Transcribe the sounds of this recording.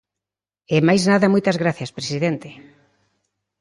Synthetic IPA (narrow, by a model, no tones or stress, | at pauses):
emajznaðɐmojt̪ɐzɣɾaθjɐspɾesiðent̪e